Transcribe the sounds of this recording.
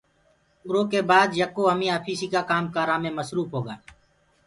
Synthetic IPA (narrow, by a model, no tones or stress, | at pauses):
ʊɾoːkeːbaːd̪jəkːoːɦəmĩːaːpʰiːsiːkaːkaːmkaːɾaːmẽːməsɾuːpʰɦoːɡaː